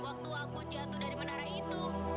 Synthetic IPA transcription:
wak̚t̪uakud͡ʒat̪udaɾimənaɾait̪u

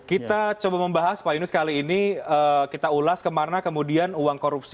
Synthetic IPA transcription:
kit̪at͡ʃobaməmbaɦaspainusə̥kaliːniəkit̪aulaskəmarnakəmudianuwaŋkoɾup̚si

